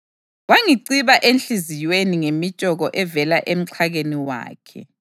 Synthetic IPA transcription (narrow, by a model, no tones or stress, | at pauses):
waŋiǀiβaʔenɬizijweniŋemit͡ʃʼɔɣɔʔɛvɛlaʔem̩ǀʰaɣeniwa̰ːkʰɛ̰